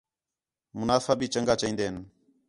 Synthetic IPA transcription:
mʊnaːfaːɓiːt͡ʃəŋɡaːt͡ʃaĩːnd̪eːən

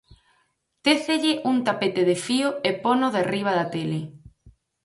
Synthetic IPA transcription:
t̪eθeʎɪʔuŋt̪apet̪eðefioeponoðeriβ̞aðat̪ele

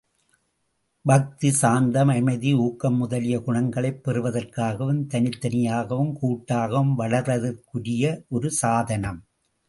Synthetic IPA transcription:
bɐk̚t̪isaːnd̪ɐmɐmɐɪðiuːkːɐmːʊðɐlɪjɐkʊɳɐŋɡɐɭɐɪpːɛrɯʋɐðɐrkaːɣɐʋɯmt̪ɐnɪt̪ːɐnɪjaːɣɐʋɯmkuːʈːaːɣɐʋɯmʋɐɭɐɾʋɐðɐrkɯɽɪjɐʔɔɾɯsaːðɐnɐm

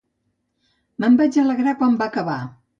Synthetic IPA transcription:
məmbɛd͡ʒələɣɾakwambakəβa

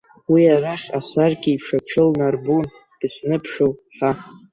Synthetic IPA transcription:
wiaraχʲasarɡʲiipʰʂapʰʂɨlnarbun | d̥ɨsnɨpʰʂowħa

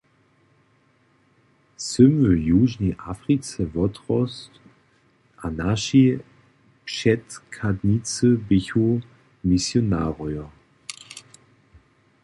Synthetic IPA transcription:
sʏmvəjuːʒnɛʔafʁit͡sɛvɔtʁɔst | ʔanaʃi | pʃɛtkʰadnit͡səbɪçu | misjonaːʁɔjɐ

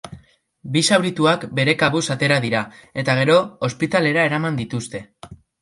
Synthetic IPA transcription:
bisawɾit̪uakbe̞ɾe̞kaβusat̪e̞ɾað̞iɾae̞t̪aɣ̞e̞ɾo̞ospit̪ale̞ɾae̞ɾamand̪it̪ust̪e̞

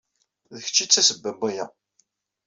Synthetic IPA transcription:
ðəçə̥t͡ʃːit͡sːæsəbːæbijæ

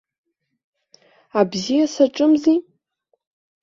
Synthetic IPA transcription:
abzijasaʈ͡ʂʼɨmzi

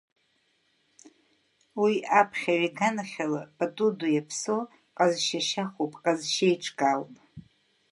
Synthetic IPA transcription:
wiapʰχʲaɥiɡanaχʲalab̥atʼudujapʰso | qʼazʃaʃaχopʼqʼazʃejʈ͡ʂʰʼkʼalpʼ

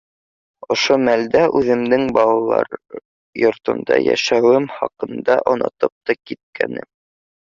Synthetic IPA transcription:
ŏʃomæld̪æʔʉðɘ̆md̪ɘŋbɑlˠɑlˠɑ̰ɾ | jŏɾt̪ɤ̆nd̪ɑjæ̰ʃæwɘmχɑqɤ̆nd̪ɑʔŏnɤ̰t̪ɤp̚t̪ɑkit̪̚kʰænɘ̰m

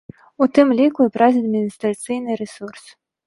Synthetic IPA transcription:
ut̪ɨmlʲikuɛpɾazʲiɐd̪mʲinʲist̪ɾat̪sɨjnɨɾɛsurs

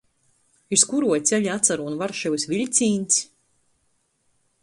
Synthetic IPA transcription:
iskuɾuɔjt̪sʲɛʎʲat̪saɾuːnvaɾʃɛwsvilʲt̪sʲiːnʲt̪sʲ

